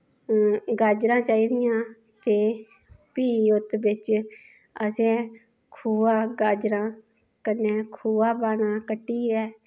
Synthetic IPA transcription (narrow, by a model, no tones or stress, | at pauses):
ɡaːd͡ʒɾãːt͡ʃaːiːd̪ɪjãː | t̪eː | piːʊt̪bɪt͡ʃ | əsẽː | kʰuːaːɡaːd͡ʒɾãː | kənːẽːkʰuːaːpaːnãːkəʈːiːɛː